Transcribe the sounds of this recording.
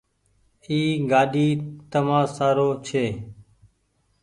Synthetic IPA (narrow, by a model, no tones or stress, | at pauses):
iːɡaːɗiːt̪əmãːsaːɾoːt͡ʃʰeː